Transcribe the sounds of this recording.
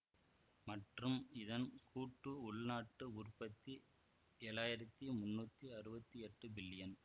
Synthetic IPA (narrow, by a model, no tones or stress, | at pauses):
mɐʈrɯmɪðɐnkʰuːʈːɯʊɭnaːʈːɯʊrpːɐt̪ːi | eːɭaːjɪɾɐt̪ːimʊnːuːt̪ːiɐɾɯbɐt̪ːiɛʈːɯbɪlːɪjɐn